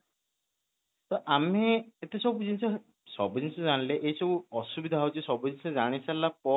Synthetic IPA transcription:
t̪ɔʔameet̪esɔbud͡ʒinsɔ | sɔbɔd͡ʒinsɔzanleʔejsɔbuɔsubid̪ʱaɦwt͡ʃisɔbɔd͡ʒinsɔzaɽ̃isalapɔ

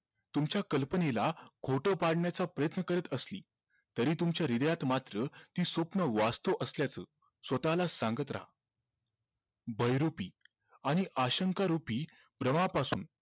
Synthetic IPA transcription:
t̪umt͡ɕjakəlpənelakʰoʈəpaɽɳjat͡sapɾəjət̪nəkəɾət̪əslḭː | t̪əɾiːt̪umt͡ɕjaɾid̪əjat̪mat̪ɾət̪iːsopnəʋast̪əʋʔəsljat͡səː | sʋət̪alasãŋɡət̪ɾa̰ɦa | bʱəjɾopiː | aɽ̃iʔaɕəŋkaɾupiː | bɾəmapasṵːn

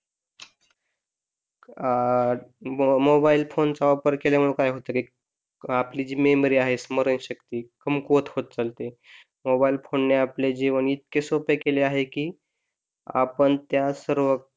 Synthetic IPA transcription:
mobailfont͡saʋapəɾkelem̤əɽukajɦot̪əki | aplid͡ʑiːmemɾiaɦesməɾənɕəkt̪iːkəmkot̪hot̪̚t͡salt̪e | mobailfonneapled͡ʑeʋəɳit̪̚kesopekeleaɦekiː | a̰pəɳt̪jasəɾʋə

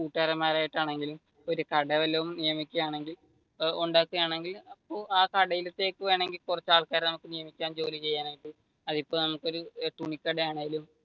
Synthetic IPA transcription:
kuːʈːaːɾɐmːaːɾaːjiʈːaːɳe̞ŋɡilum | oɾukɐɽɐʋelːɐʋumnijɐmikʲːujaːɳe̞ŋɡil | uɳɖaːkːuɣɐaːɳe̞ŋɡilɐpːoːaːkɐɽɐjilɐt̪ːe̞ːkːɨʋeːɳe̞ŋɡilkurɐt͡ɕːaːɭkaːɾnɐmukːɨnijɐmikʲːaːnd͡ʑo̞ːlit͡ɕe̞jːaːneŋɡil | ɐðipːo̞ːnɐmukːo̞ɾuʈuɳikːɐɽɐjaːɳeŋilum

